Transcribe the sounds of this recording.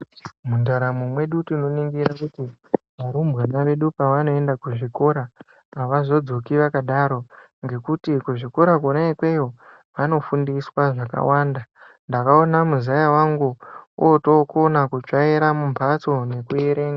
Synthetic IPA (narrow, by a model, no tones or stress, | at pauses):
mundaɾamumwe̞ɗutino̞niŋɡiɾakutiʋaɾumbɣanaʋe̞ɗupaʋano̞e̞ndakuʐiko̞ɾaː | ʋazo̞d͡zo̞kiʋakaɗaɾo̞ | ŋɡe̞kutikuʐiko̞ɾakonaikwe̞jo̞ | ʋano̞fundiswaʐaka̰waːnda | ndakao̞namuzajawaŋɡuoto̞konakut͡ʂaiɾamumpʰat͡so̞ne̞kue̞ɾe̞ːŋɡa